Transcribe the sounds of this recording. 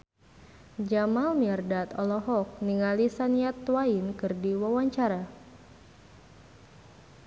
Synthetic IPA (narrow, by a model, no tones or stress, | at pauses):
d͡ʒamalmiɛrdat̪ɔlɔɦɔk̚niŋalisaniat̪wainkɨrdiwawaɲt͡ʃaɾa